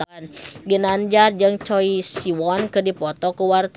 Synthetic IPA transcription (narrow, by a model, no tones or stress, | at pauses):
nɡənand͡ʒard͡ʒɨŋt͡ʃɔisiwɔnkɨdipɔt̪ɔkəwart̪